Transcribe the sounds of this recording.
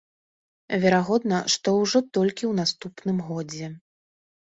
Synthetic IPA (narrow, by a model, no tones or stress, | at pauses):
vʲɛɾaɣɔd̪nɐʂt̪ɔwʐɔt̪ɔlʲkʲiwnast̪upnɨmɣɔd͡zʲɛ